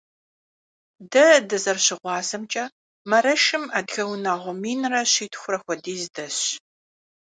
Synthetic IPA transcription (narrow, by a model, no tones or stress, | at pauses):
dɐdɨzɐrɕɪʁʷɑːzɐmt͡ʃʼɐ | mɐɾɐʃɨmɐdɣɐwnaʁʷɔmiːnrɐɕiːtʰʼxʷʊɾɐxʷɔdiːzɨdɐɕ